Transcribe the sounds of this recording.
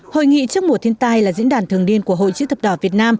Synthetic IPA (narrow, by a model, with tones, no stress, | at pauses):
ho̰˧˨jŋḭ˧˨t͡ɕɨ˦˥ək̚m˨˩ət̪ʰi˧ənt̪aː˧jlaː˨˩zḭ˧˥nɗaː˨˩nt̪ʰɨ˨˩əŋɗi˧ənku˧˩əɦo̰˧˨jt͡ɕɨ̰˧˥t̪ə˨˩p̚ɗɔ˨˧˩vi˨˩ət̚naː˧m